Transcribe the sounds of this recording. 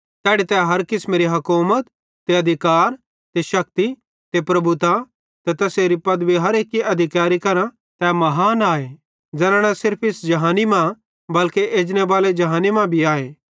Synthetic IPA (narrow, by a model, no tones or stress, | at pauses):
t̪ɛːɽit̪ɛɦɐɾkɪsmẽːɾiɦɐkuːmət̪̚ː | eɐd̪ʱɪkaːɾ | t̪eʃɐk̚t̪i | t̪epɾɐbut̪a | t̪ɛt̪ɐseːɾipɐd̪biɦɐɾeːkːiɐd̪ʱɪkaːɾikɐɾã | t̪ɛmɐɦaːnaːeː | d͡ʒɛɾãɽ̃ãsɪɾpʰɪsd͡ʒɐɦaːnimã | bɐlkeʔeːd͡ʒñebaːled͡ʒɐɦaːnimãbʱiaːeː